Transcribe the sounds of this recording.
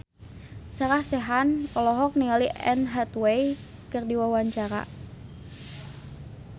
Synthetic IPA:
saɾahsɛɦanpɔlɔɦɔk̚niŋaliʔɛnɦat̪wej | kərdiwawaɲt͡ʃaɾa̰

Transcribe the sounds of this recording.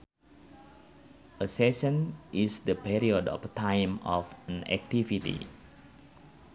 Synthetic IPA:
ʔəsɛsə̃nʔisdəpiɾiɔdɔ̰ft̪ãjmɔfə̃nɛ̰k̚t̪ivit̪ḭ

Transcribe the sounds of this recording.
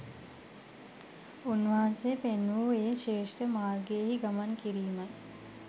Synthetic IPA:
unʋasepenːuːeːʃeːʂʈəmaːrɡeəɦiɡamankiɾiːmaj

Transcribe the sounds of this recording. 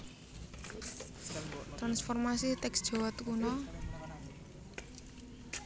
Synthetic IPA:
t̪ɾansfɔrmasit̪ɛksd̥ʒ̥ɔ̤wat̪kunɔ

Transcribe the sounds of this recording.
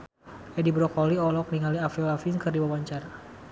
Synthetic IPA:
ʔɛdibɾɔkɔliɔlɔk̚niŋɦaliafɛlafinkɨrdiwawaɲt͡ʃaɾa

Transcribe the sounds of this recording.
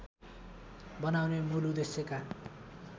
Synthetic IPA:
bʌnawnemulud̪eseka

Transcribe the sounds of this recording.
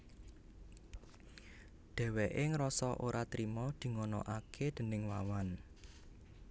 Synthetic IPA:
ɖ̪̥ɛ̤weʔeŋɾɔsɔʔoɾʔat̪ɾimɔd̪̥i̤ŋonɔ̰ʔakʰed̪̥ə̤nɪŋwawan

